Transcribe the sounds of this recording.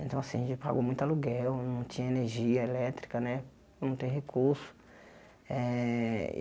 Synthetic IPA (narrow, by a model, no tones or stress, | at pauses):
ẽnt̪ɐ̃w̃asĩɐʒẽt͡ʃɪpa̰ɡomũj̃t̪aluɡɛwnɐ̃w̃t͡ʃ̪ĩɲɐeneɾʒiɐelɛt̪ɾikɐnɛ̃ | nɐ̃w̃t̪ẽj̃ɦekʰuɾsʊ̥ | ɛ̰